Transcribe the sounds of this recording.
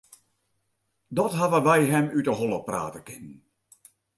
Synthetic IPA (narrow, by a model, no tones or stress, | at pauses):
dɔtɦaʋəʋɛjɦɛmytəɦɔlˠəpra̰ːtəkɪnən